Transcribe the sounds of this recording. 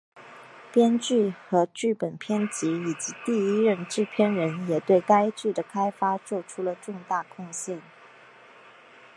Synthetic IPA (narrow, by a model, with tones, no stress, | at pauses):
pjɛ˥nt͡ɕy˥˩xɤ˧˥t͡ɕy˥˩pə˨˩npʰjɛ˥nt͡ɕi˧˥i˨˩t͡ɕi˧˥t̪i˥˩i˥ɻə˥˧nʈ͡ʂɻ̩˥˧pʰjɛ˥nɻə˧˥njɛ˨˩t̪we˥˩ɪka˥ɪt͡ɕy˥˩d̪ə˩kʰa˥ɪfa˥t͡swɔ˥˩ʈ͡ʂʰu˥lə˨ʈ͡ʂʊ˥˧ŋt̪a˥˩kʰʊ˥˧ŋɕjɛ˥˩n